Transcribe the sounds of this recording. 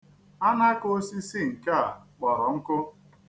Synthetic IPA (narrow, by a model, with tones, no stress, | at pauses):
a˦na˦ko˦si˦si˦ŋ̩˨ka˦a˨k͡pɔ˨ɾɔ˨ŋ̩˦kʊ˦